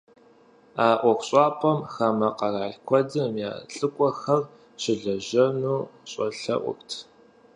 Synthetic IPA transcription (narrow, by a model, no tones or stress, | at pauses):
aːʔʷɔxʷɕʼɑːpʰʼɐmxɐmɐqɐraːɮkʷʰɔdɨmja̰ːɬʼɨkʷʼɔxɐr | ɕɪɮɐʒɐnuːɕʼɔɬɐ̰ʔʷʊ̰ktʰ